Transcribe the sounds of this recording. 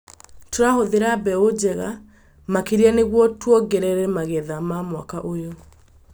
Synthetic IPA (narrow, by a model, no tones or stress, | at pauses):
toɾahoðeɾabɛod͡ʑɛɣa | makeɾianeɣwɔtwɔɡɛɾɛɾɛmaɣɛðamamwakaʔojo